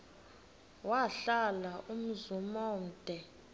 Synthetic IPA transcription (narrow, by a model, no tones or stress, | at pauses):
waɬalaʔum̩zumɔm̩d̥ʱɛ